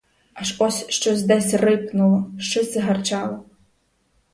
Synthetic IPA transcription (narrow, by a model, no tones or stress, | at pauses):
aʃɔsʲʃt͡ʃɔzʲd̪ɛsʲrɪpnʊlˠɔʃt͡ʃɔsʲɪɦɐrt͡ʃɑlˠɔ